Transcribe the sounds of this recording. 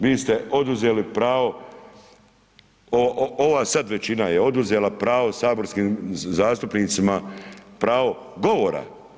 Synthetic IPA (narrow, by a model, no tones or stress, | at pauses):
ʋiːst̪e̞ʔo̞d̪uzeːlipɾaːʋo̞ | ooʋaːsad̪ʋe̞t͡ɕinajeo̞d̪uzelapɾaːʋo̞saːbo̞ɾskiːmzaːst̪upniːt̪simapɾaːʋo̞ | ɡo̞ʋo̞ːɾa̰